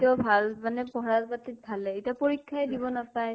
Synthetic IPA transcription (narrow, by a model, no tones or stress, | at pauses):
tiɔbʱalmanɛpɔɦɹazbatit̚bʱalɛetiapoɹikʰːajdibɔnapaj